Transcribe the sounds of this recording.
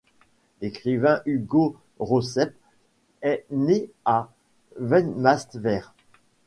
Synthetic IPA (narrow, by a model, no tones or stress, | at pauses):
ekχivɛ̃ʔyɡo | ʁosɛp | ɛne | a | vɛnmast̪vɛːʁ